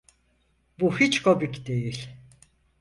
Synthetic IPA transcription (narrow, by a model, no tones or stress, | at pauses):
buhit͡ʃkʰobikd̪ejilʲ